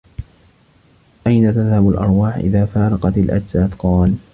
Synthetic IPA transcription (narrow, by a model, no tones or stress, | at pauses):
ʔajnat̪aðhabalʔɑ̰ɾˤwaːħʔɪ̰ðaːfaːɾˤɑqɑt̪alʔa̰d͡ʒzaːθqɑːl